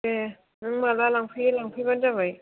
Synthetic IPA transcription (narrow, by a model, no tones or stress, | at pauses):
e | nɯŋmalalaŋpʰɯlaŋpʰɯband͡ʒabaj